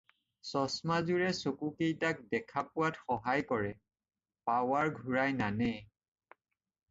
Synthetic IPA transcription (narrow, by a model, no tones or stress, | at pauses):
sɔsmazuɹɛsokukejtak̚dɛkʰapʊwatxɔɦajkɔɹɛ | pawaɹɡʱuɹajnanɛ